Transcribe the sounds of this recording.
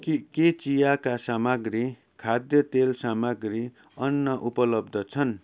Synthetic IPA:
kiket͡sijakasamaɡri | kʰad̪jʌt̪elsamaɡri | ʌnːʌʔupʌlʌb̚d̪ʱʌt͡sʰʌn

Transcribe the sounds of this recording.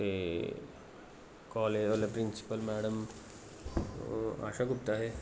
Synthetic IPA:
e | kɔːleolepɾinsi̥pəlmæːɽəm | a̰ʃakup̚t̪aɦe

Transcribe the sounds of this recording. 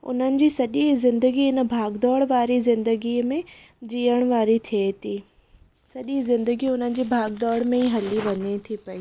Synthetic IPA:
ʊ̰n̤ənɪ̆d͡ʑiːsɐʄizɪ̃nd̪əɡiɪnə̆bʱaːɡd̪ɔːɽʋaːɾizɪ̃nd̪əɡimẽ | d͡ʑiːəɽ̃ʋaːɾit̪ʰiet̪ʰiː | sɐʄizɪ̃nd̪əɡiʊn̤ənɪ̆d͡ʑiːbʱaːɡd̪ɔːɽmẽiɦɐliʋɐɲet̪ʰipɐiː

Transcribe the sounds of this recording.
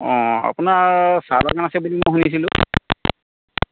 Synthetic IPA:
ɔ̃a̰pʊnaɹsaba̰kanasɛbulimojɦunis̬ilʊ̃

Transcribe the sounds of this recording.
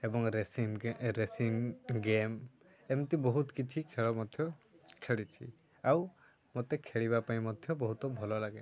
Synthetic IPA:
ebɔŋɾesimɾesimɡem | emt̪ibɔɦut̪kit͡ʃʰikʰeɭɔmɔd̪ʱjɔ | kʰeɭit͡ʃʰḭ | aw | mot̪ekʰeɭibapaĩmɔd̪ʱjɔbɔɦut̪ɔbʱɔlɔlaɡe

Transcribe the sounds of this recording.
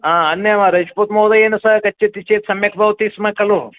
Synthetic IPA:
aːɐnjɐmɐɾɐt͡ʃpot̪mɐːwd̪ɐeːnɐsɐkɐt͡ʃːɐt̪it͡ʃeːt̪sɐmjɐkʰbʱɐʋt̪ismɐkɐlu

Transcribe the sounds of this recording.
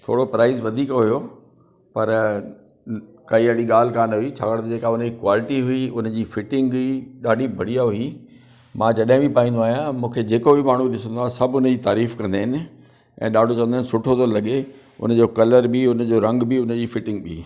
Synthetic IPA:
t̪ʰo̰ːɽopɾaːɪzʋɐd̪ʱiːkɦʊjo | pɐɾ | kaiɐɽiɠaːl̤ɪkaːnɦʊit͡ɕʰaːkɐɽt̪ɐd͡ʑeːkaʊnd͡ʑikwaːlɪʈiɦʊiʊnd͡ʑiːfɪʈɪ̃ŋɡiɗaːɖʱibʱɐɽ̤ijaɦʊi | mãːd͡ʑɐɗɦɪ̃bipaːĩnd̪oaːɦijãmũːkʰed͡ʑeːkobɪmaːɳ̤uɗɪsə̃nd̪waːsɐbʱʊnəd͡ʑiːt̪aːɾiːfkɐ̃nd̪eɦɪnɪ̆ | ɛ̰̃ːɗaːɖʱot͡ɕɐʋ̃nːɪnɪsʊʈʰot̪olɐɠe | ʊ̰n̆d͡ʑoːkɐləɾbiʊnd͡ʑoɾɐ̃ŋɡbiʊnd͡ʑiːfɪʈɪ̃ŋɡɓiː

